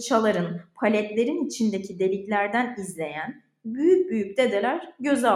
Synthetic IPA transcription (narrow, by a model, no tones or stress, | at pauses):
t͡ʃʰalˠaɾɯnpʰalʲɛt̪lʲe̞ɾinit͡ʃʰind̪ecʰid̪e̞lʲiclʲæɾd̪ænizlʲe̞jæn | byjyc̚byjyc̚d̪e̞d̪elʲæɾɟø̞za